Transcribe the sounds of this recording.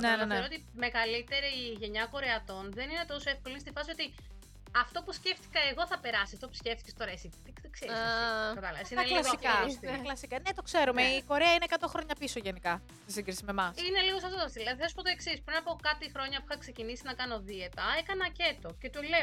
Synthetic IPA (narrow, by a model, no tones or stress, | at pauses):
neneɾoot̪i | me̞ɣɐlit̪e̞ɾiʝe̞ɲɐko̞ɾeɐt̪o̞nðe̞nine̞t̪o̞soefko̞linst̪ifɐsio̞t̪i | ɐft̪o̞pusce̞ft̪i̥kɐeɣo̞θɐpe̞ɾɐsiɐft̪o̞pu̥sceft̪icest̪oɾɐesit̪iikseskɐt̪ɐlɐvɐsinɐellɐsikɐɐklɐsikɐnet̪o̞kse̞ɾumeiko̞ɾeɐineːkɐt̪oxɾo̞ɲɐpiso̞ʝenikɐ | st̪isiɡɾisimemɐsine̞liɣos̬ɐft̪ot̪oɐsilɐðiθisu̥pot̪o̞e̞ksispɾinɐpo̞kɐt̪ixɾo̞ɲɐpuxɐkse̞cinisinɐkɐno̞ðiet̪ɐekɐnɐce̞t̪o̞ce̞t̪ule̞o